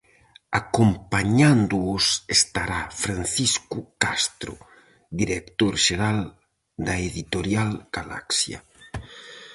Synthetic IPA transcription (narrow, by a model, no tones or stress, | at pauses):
akompaɲãnd̪ʊʊsest̪aɾafɾanθiskukast̪ɾʊ̰ | d̪iɾekt̪oɾʃeɾal | d̪aeðit̪oɾjalɡ̥ala̰ksja̰